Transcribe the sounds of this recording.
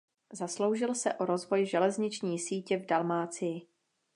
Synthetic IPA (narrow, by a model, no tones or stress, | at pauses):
zaslo̞wʒɪlsɛʔo̞ɾo̞zvo̞jʒɛlɛzɲɪt͡ʃɲiːsiːcɛvdalmaːt͡sɪjɪ